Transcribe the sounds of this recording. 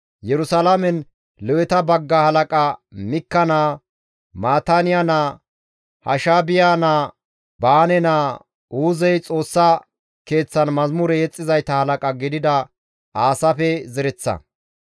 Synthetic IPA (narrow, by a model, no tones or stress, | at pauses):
jɛɾʊsɐlɐmɛn | lɔwɛt̪ɐbɐɡːɐhɐlɐkʼɐmɪkːɐnaː | maːt̪anɪjanaː | hɐ̰ʃaːbɪjaːnaː | baːnɛnaː | uːzɛjt͡sʼo̞ːsːɐ | ke̞ːt͡sːɐnmɐzmʊɾɛjɛt͡sʼːɪzɐjt̪ɐhɐlɐkʼɐɡɪd̪ɪd̪ɐ | aːsɐpɛzɛɾɛt͡sːɐ̰